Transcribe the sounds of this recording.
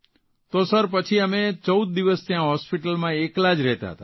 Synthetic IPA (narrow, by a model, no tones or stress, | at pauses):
t̪osəɾpət͡ʃʰiəmet͡ʃəud̪̚ːiʋəst̪jãɦɔspiʈəlmãeklad͡ʒɾɛɦt̪a̰ɦə̰t̪a